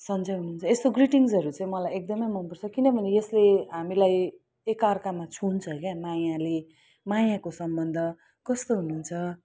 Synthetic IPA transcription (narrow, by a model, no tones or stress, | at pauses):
sʌnd͡zʌjɦunuːnt͡sʰʌest̪oɡriʈiŋsʌɾut͡sʌ̃ĩmʌlajek̚d̪ʌmʌjmʌnpʌrt͡sʰʌkinʌbʱʌnejʌsleɦamilaj | ekarkamat͡sʰunt͡sʰʌɦkamajale | majakosʌmbʌnd̪ʱʌ | kʌst̪oɦununt͡sʰʌ